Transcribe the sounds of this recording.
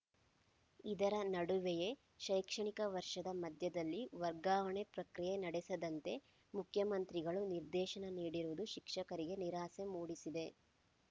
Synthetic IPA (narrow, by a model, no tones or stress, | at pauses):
id̪ɐɾɐnɐɽuʋeje̞ | ʃɐjkʂɐɳikɐʋɐɾʂɐd̪ɐmɐd̪ʱjɐd̪ɐlːiʋɐɾɡaːʋɐɳepɾɐkɾijenɐɽɛsɐd̪ɐnt̪e̞ | mukʰjɐmɐnt̪ɾiɡɐɭuniɾd̪ɛːʃɐnɐniːɽiɾuʋud̪uʃikʂɐkɐɾiɡe̞niɾaːse̞muːɽisid̪e̞